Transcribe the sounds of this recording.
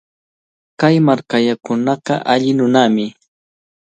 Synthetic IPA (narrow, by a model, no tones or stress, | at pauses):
kajmaɾkaʎakʊnɑqɑ̰ʔaʎɪnʊnamɪ